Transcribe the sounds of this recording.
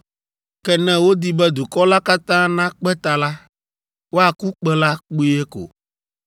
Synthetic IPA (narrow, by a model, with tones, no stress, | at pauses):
kɛ˦nɛ̃˦wo˦d̪i˦bɛ˦d̪u˨kɔ˦la˦ka˦t̪ã˦nã˦k͡pɛ˦t̪a˨la˦ | wo˦a˨ku˦k͡pɛ˦la˦k͡pu˦ɛ˦ko̰˨